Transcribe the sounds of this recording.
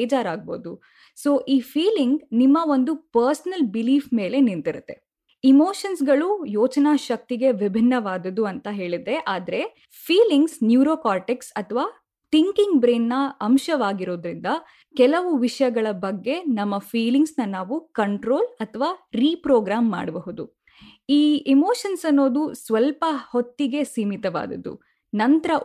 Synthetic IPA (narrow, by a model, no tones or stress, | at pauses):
d͡ʒaːɾaːɡ̚bo̰ːd̪u | soːʔiːfʰiːliŋɡnimːɐo̞nd̪upɐɾsɐnɐlbiliːfme̞ːle̞nint̪iɾut̪ːe̞ | imoːʃɐnsɡɐɭujoːt͡ʃɐnaːʃɐk̚t̪iɡe̞ʋibʱinːɐʋaːd̪ɐd̪uɐnt̪ɐɦe̞ːɭid̪e̞ʔaːd̪ɐɾe̞ | pʰiːliŋɡsnjuːɾoːkaːʈeksɐt̪ʰɐʋaː | t̪iŋkiŋɡbɾeːnːɐɐmʃɐʋaːɡiɾo̞ːd̪ɾind̪ɐ | kɛlɐʋuʋiʂɐjɐɡɐɭɐbɐɡːe̞nɐmːɐpʰiːliŋɡsnɐnaːʋukɐɳʈɾo̞ːlɐt̪ʰɐʋaːɾiːpɾoːɡɾaːmːa̰ːɖɐbɐɦud̪u | iːemoːʃɐnsɐnːo̞ːd̪usʋɐlpɐhot̪ːiɡe̞siːmit̪ɐʋa̰ːd̪ɐ̰d̪ṵ | nɐnt̪ɐɾɐ